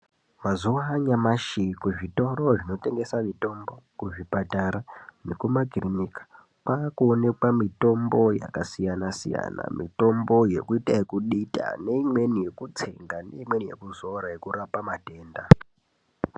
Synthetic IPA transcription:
mazuaːɲamaʃikuʐito̞ɾo̞ʐino̞te̞ŋɡe̞samito̞mbo̞kuʐipataɾanekumaɡʱirimikḁ | paːkuone̞kwamito̞mbo̞ja̰kasijanasḭja̰na̰mḭto̞mbo̞je̞̰kuitaekuɗita̰ne̞imwe̞nije̞kut͡se̞ŋɡane̞̰imwe̞nije̞̰kuzo̞ɾaje̞kuɾapamate̞ːnda

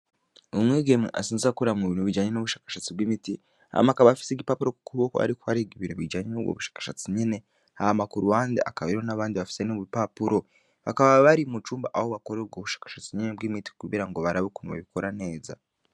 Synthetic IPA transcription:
omwiːɡemiʔa̰siːnzakuɾamŋeβiːnuβid͡ʒaːɲenoβuʃḁːkḁʃat͡sibwimiti | a̰makaβaafi̥seɡipapuɾo̞ku̥kuβoka̰ɾikua̰ɾeɡiβiɾuβid͡ʒaːɲenobɡo̰βuʃḁːkḁʃat͡siɲine̞ | ahamakuɾuwaːndeʔakaβaɾihonaβaːndiβafi̥senoβupapuɾo̞ | βakaβaβaɾimut͡ʃuːmbaʔahoβako̞ɾeɡoβuʃḁːkḁʃat͡siɲinebɡimiti̥kuβiɾaŋɡoβaɾaβokunuβa̰βikoɾane̞ːza̰

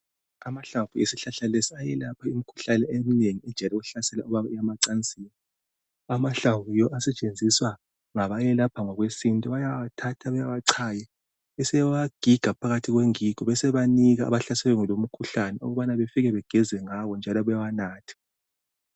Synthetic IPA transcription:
amaɬavujesiɬaɬalesiajɛlapʰaimikʰu̥ɬanɛemineŋiɛd̥ʒ̥ʱalɛɣuɬasɛla̰uβaβaijamaǀant͡sʼiːni | amaɬavujɔʔasɛt͡ʃʼend͡zʱiswa | ŋaβajɛlapʰaŋɔɣwesintʼɔβajawatʰatʰaβajawaǀʰaːjɛ | ɛsɛwaɡ̥ʱiɡ̥ʱapʰaɣatʰiɣweŋiɡ̥ʱɔβɛsɛβaniɣaa̰βaɬasɛwɛŋɛlom̩kʰuɬanɛṵɣuβanaβefiɣɛβɛɡ̥ʱɛzɛŋawɔnd͡ʒʱalɔβujawanaːtʰḁ

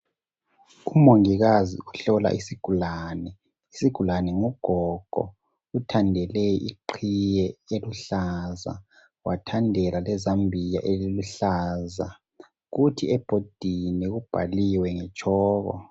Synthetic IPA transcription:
umoŋiɣazḭuɬɔla̰ʔisiɡ̥ʱulaːnɛ | isiɡ̥ʱulanɛŋuɡ̥ʱɔɡ̥ʱɔ̰ | utʰandʱɛleʔḭǃʰijɛeluɬaza̰ | wʔatʰandʱɛlalɛzambʱija̰ʔeliluɬaːza | ɣutʰiɛb̥ʱod̥ʱiniɣub̥ʱa̰liwɛŋɛt͡ʃʼʰɔːɣɔ̰

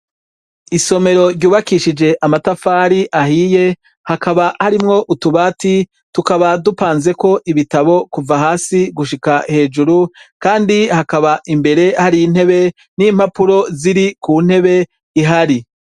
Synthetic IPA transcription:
iso̞me̞ɾo̞ɾɟuːβakiʃid͡ʒe̞ʔamatafaːɾiʔahiːje̞ | hakaβahaɾimŋo̞ʔutuβaːti | tukaβadupaːnze̞ko̞ʔiβitaβo̞kuvaɦaːsiɡuʃikahe̞ːd͡ʒuɾukaːndihakaβaʔimbe̞ɾe̞haɾiin̥he̞βe̞ | niːm̥hapuɾo̞ziɾikuːn̥he̞βe̞ | iɦaɾi

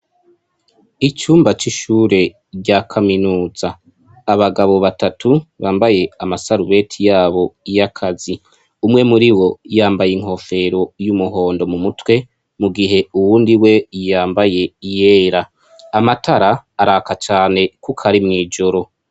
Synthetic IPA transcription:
it͡ʃuːmbat͡ʃiʃuːɾe̞ | ɟakʰaminuːz̥aː | βaɡaβo̞βatatuβaːmbaje̞amasaɾuβe̞tʰijaːβo̞ijakʰazi | umŋe̞muɾiwo̞jaːmbajiŋ̥ho̞fe̞ɾo̞jumuɦo̞ːndo̞mumutwe̞ | muɡiɦe̞uwuːndiwe̞jaːmbaje̞ijeːɾa | amatʰaɾaːɾakat͡ʃaːne̞kukʰaɾimŋiːd͡ʒo̞ɾo̞

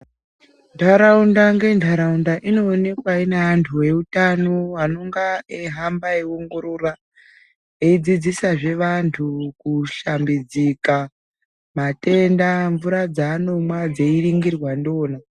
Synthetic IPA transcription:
ndʰʱaɾaundaŋɡe̞ntʰaɾaundaʔino̞ːne̞kwaineantʰuwe̞utanowano̞ŋɡaeɦambaeoŋɡoɾora | eid͡zid͡zisaʐe̞ʋantʰukuʃambid͡zika | mate̞ndaɱvuɾad͡zaːno̞mwad͡zeiɾiŋɡirwando̞ːna

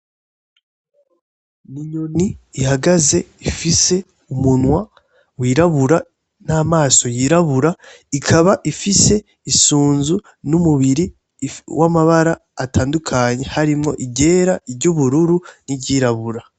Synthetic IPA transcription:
niɲoniːhaɡaze̞ifise̞ | umunwa | wiːɾaβuɾa | naːmaːso̞jiːɾaβuɾa | ikʰaβaʔifise̞ | isuːnzu | numuβiɾi | wʔamaβaɾaːtʰaːndukʰaɲe̞haɾimŋo̞̰ʔiɟe̞ːɾaiɾɟuβuɾuɾuniɟiɾaβuɾa

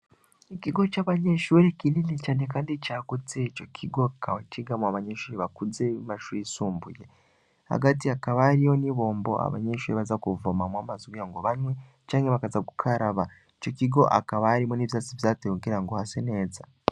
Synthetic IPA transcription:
ikiɡo̞t͡ʃaβaɲeʃuːɾekininit͡ʃanekaːndit͡ʃakud͡zet͡ʃokʰiɡo̞kaat͡ʃiɡamaβaɲeʃuːɾeβakud͡zemaʃuɾeisuːmbṵje | ha̰ɡatiakaβaːɾijoniβo̞ːmbo̞a̰βa̰ɲeʃuːɾeβazakuvomamwamazwijaŋɡoβaɲwe | t͡ʃaːŋɡeβakazaku̥kʰaɾaβa | et͡ʃo̞kiɡo̞ʔa̰kaβaːɾimuniβizat͡sivzateuɡeɾaŋɡohaseneːd͡za

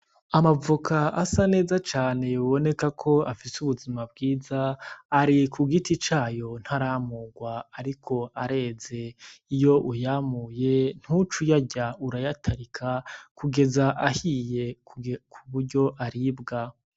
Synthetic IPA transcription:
amavukʰaʔasane̞ːzat͡ʃaːne̞joβo̞ne̞kakʰo̞afisuβuzimab̚ɡiːzaːɾikʰuɡitit͡ʃaːjo̞n̥haɾamuɡwaaɾikʰo̞aɾe̞ze̞ijo̞ʔujamuje̞n̥hut͡ʃujaɟauɾajatʰaɾikʰakuɡe̞zaʔahije̞kʰuβuɾɟo̞ʔaɾibɡa

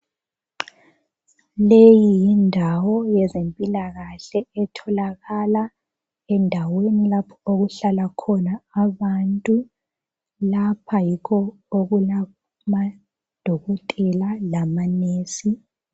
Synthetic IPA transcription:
lejijindʱawɔjɛzempʼilaɣaɬɛɛtʰɔlaɣala | ɛndʱawenilapʰɔoɣuɬalakʰɔnaːβantʼu | lapʰajikʰɔ | oɣula | ma | d̥ʱɔɣɔtʼɛlalamaneːsi

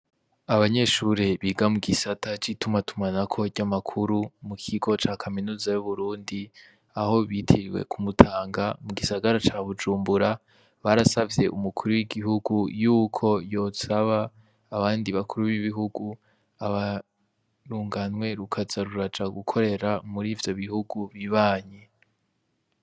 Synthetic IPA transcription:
aβaɲe̞ʃuɾeβiːɡamuɡisatat͡ʃitumatumanakʰo̞ɟamakʰuɾumukʰiɡo̞t͡ʃaːkʰaminuːzajuβuɾuːndi | aho̞βitʰiɾiwe̞̰kʰumutʰaːŋɡamuɡisaɡaɾat͡ʃaβud͡ʒuːmbuɾa | βaɾasavje̞ʔumukʰuɾuwiɡiɦuɡujuːkʰo̞jo̞saβaː | βaːndiβakʰuɾuβiβiɦuɡu | aβa | ɾuːŋɡanŋwe̞ɾukʰazaɾuɾad͡ʒaɡukʰo̞ɾe̞ɾamuɾiːvjo̞βihuɡuβiβaːɲe

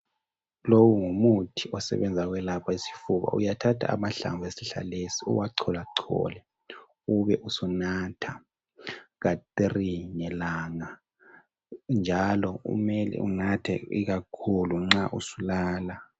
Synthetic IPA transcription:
lowuŋumutʰi̥ɔsɛ̰βɛnd͡zʱaɣwɛlapʰaisi̥fuβa̰ṵjatʰatʰa̰a̰maɬa̰mvʱesiɬa̰lesiṵwaǀʰɔlaǀʰɔ̰lɛ | uβɛʔusunatʰa | ɣat̪riŋɛlaŋa | nd͡ʒʱalɔṵmɛlɛ̰ʔṵnatʰɛ̰ḭɣakʰuluŋ͡ǁaʔusulaːla

